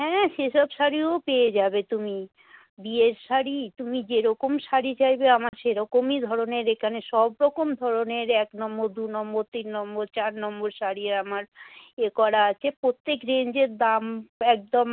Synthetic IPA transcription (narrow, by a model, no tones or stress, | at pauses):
ɦɛ̃ʃeʃɔbʃaɾiopeed͡ʑabet̪umi | bieɾʃaɾit̪umid͡ʑeɾɔkomʃaɾit͡ɕajbeamaɾʃeɾɔkomid̪ʱɔɾoneɾekʰaneʃɔbɾɔkomd̪ʱɔɾoneɾɛknɔmboɾd̪unɔmboɾt̪inːɔmboɾt͡ɕaɾnɔmboɾʃaɾieɾamaɾekɔɾaat͡ɕʰepɾot̪ːekɾeɲd͡ʑeɾd̪amɛk̚d̪om